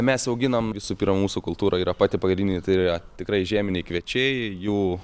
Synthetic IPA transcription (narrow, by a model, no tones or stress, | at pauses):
mʲɛsɐʊɡʲɪnɐmʋʲɪsuːpʲiːɾmɐmuːsukʊlˠt̪uːɾʔɐiːɾɐpɑːt̪ʲɪpɐɡɾʲɪnʲd̪ʲɪːnʲɪt̪ɐɪiɐt̪ʲɪkɾɐɪʒʲæːmʲɪnʲɛɪkʋʲiɛt͡ʃʲɛɪjuː